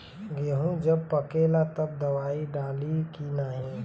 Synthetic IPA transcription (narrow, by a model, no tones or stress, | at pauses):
ɡeɦũd͡ʒəb̚pəkeːlat̪əb̚d̪ɐʋaːiɖaːlikinaːɦĩ